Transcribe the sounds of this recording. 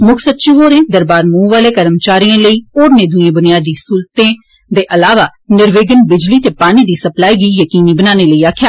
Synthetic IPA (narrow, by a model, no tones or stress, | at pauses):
mʊkʰsət̪̚t͡ʃiɦoːɾẽːd̪əɾbaːɾmũːʋaːleːkəɾəmt͡ʃaːɾiãːləiːoːɾnẽːd̪ʊẽːbʊnɪjaːd̪iːsuːlt̪ẽː | d̪eːʔəlaːʋaːnɪɾʋeːɡənbɪd͡ʒliːt̪eːpaːñiːd̪iːsəplaːiːɡiːjəkiːniːbənaːneːləiːaːkʰjaːl